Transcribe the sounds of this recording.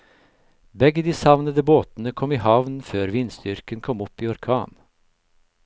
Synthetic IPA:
bɛɡəd̪iːsɑʋnəd̪əboːt̪nəkʰɔmiːhɑʋnføːɾʋɪnsd̪ʏɾkənkʰɔmɔpːiːɔɾkʰɑːn

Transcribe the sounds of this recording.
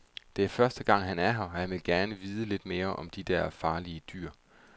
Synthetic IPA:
d̥e̝æɐfɶɐsd̥əɡ̥ɑ̈ŋ̰ɦænæɐɦɑɒjɑ̈ɪʋe̝lɡ̥æɐnəʋiːð̞ˠəle̝d̥me̝ːɐʔɒ̽md̥id̥æɐfɑ̈ːliəd̥y̰ːɐ̰

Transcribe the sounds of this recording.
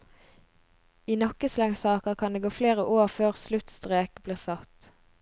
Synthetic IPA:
iːnɔkəslɛŋsɑːkəʁkʰɑnd̪eːɡoːfleːʁəʔoːʁføːʁslʉt̪st̪ʁeːkbliːʁsɑt̪

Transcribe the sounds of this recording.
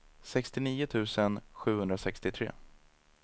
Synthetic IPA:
sɛkst̪ɪniːʊt̪ʰʉ̟ːsənɧʉ̟ːhɵnd̪ɾasɛkst̪ɪt̪ʰɾḛː

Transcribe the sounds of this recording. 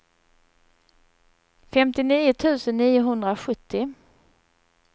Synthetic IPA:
fɛmt̪ɪniːʊt̪ʰʉ̟ːsənːiːʊɦɵnd̪ɾaɧɵt̪ʰːɪ

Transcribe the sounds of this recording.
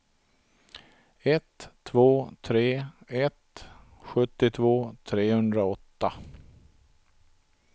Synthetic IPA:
ɛt̪ʰːvoːt̪ʰɾeːɛt̪ | ɧɵt̪ːɪt̪ʰvoːt̪ʰɾeːhɵnd̪ɾaɔt̪ːa

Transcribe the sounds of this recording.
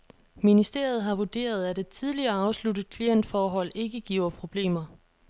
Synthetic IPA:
minisd̥e̝̰ɐ̰ð̞̩ˠɦɑ̈ʋod̥e̝̰ːɐð̞ˠæd̥e̝̥t͡sʰið̞ˠliɐːɑ̈ʊslud̥əð̩ˠkʰlien̰d̥fɒːɦɒ̽l̰e̝ɡ̥əɡ̥ḭːʊɐpʰʁo̝b̥le̝̰ːmɐ

